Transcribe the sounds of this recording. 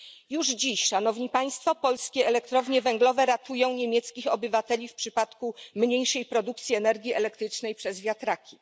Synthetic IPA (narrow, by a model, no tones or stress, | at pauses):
juʐd͡ʑiɕʂanɔvɲipaj̃st̪fɔpɔlskʲɛɛlɛkt̪ɾɔvɲɛvɛŋɡlɔvɛɾat̪ujɔ̃w̃ɲemʲjɛt̪skʲixɔbɘvat̪ɛlʲifpʂɘpat̪kumɲejʂɛjpɾɔd̪uk̚t̪sʲjiɛnɛɾɡʲiɛlɛkt̪ɾɘt͡ʂnɛjpʂɛzvʲjat̪ɾakʲi